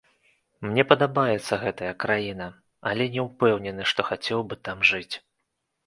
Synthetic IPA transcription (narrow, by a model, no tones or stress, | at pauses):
mnʲɛpɐd̪abajɛt̪sːɐɣɛt̪ɐjɐkɾajinɐ | ɐlʲɛnʲɛwpɛwnʲɛnɨʂt̪ɔxat͡sʲɛwbɨt̪amʐɨt͡sʲ